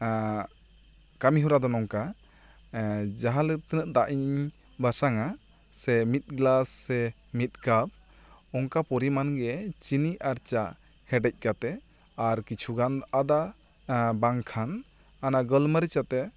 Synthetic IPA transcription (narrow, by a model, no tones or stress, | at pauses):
kamiɦuɾad̪ɔnɔŋka | d͡ʒaɦalət̪ənəʔ̚d̪aʔiɲ | basaŋa | sɛmit̪̚ɡlasːɛ | mit̪̚ɡab̚ | ɔŋkapɔɾimanɡɛt͡ʃiniʔaɾt͡ʃaʔ | hɛɖɛc̚ˀkat̪ɛ | aɾkit͡ʃʰuɡanad̪a | baŋkʰan | anaɡəlməɾit͡ʃat̪ɛ